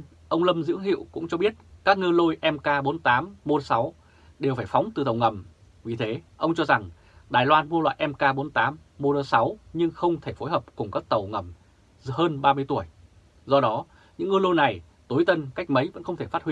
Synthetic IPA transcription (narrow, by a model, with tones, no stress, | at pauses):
ʔə˧wŋ͡mlə˧mzɨ̰˧˥əŋɦḭ˧˨əwkʊ̰˧˥ŋ͡mt͡ɕɔ˧ɓi˦˥ət̚kaː˦˥k̚ŋɨ˧lo˧jʔɛ˧mkaː˧ɓo˨˦nt̪aː˨˦mːo˧sa˨˦w | ɗe˨˩wfaː˧˩jfa˨˦wŋ͡mt̪ɨ˨˩t̪ə˨˩wŋə˨˩m | vi˨˩t̪ʰe˨˦ʔə˧wŋ͡mt͡ɕɔ˧za˨˩ŋ | ɗaː˨˩jlwaː˧nmu˧əlwa̰ː˧˨jʔɛ˧mkaː˧ɓo˨˦nt̪aː˨˦mːo˧lə˧sa˨˦wɲɨ˧ŋxə˧wŋ͡mt̪ʰe˧˩fo˨˦jɦəː˨˩p̚kʊ˨˩ŋ͡mkaː˦˥k̚t̪ə˨˩wŋə˨˩m | həː˧nɓaː˧mɨ˧əjt̪u˧˩əj | zɔ˧ɗɔ˨˦ | ɲɨ̰˧˥ŋːɨ˧lo˧jna˨˩j | t̪o˨˦jt̪ə˧nka˦˥jk̟̚mə˨˦jvə̰˧˥nxə˧wŋ͡mt̪ʰe˧˩fa˦˥t̚hwi˧